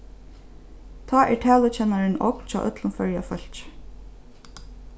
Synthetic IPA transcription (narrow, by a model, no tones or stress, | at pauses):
t̪ʰaːʔɛʈʰæːlʊt͡ɕɛnaɹɪnɔ̰kt͡ʃʰa̰ːʔœt̪lʊnfœɹjafœl̥t͡ʃ